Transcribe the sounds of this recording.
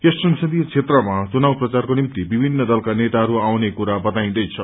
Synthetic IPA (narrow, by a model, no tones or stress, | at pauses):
kesʈrʌnsʰʌd̪ijt͡sʰet̪rʌmat͡sunawprʌt͡sarkonimt̪ibibʱinːʌd̪ʌlkanet̪aɦʌɾuawnekuɾabʌt̪aĩd̪ʌjt͡sʰʌ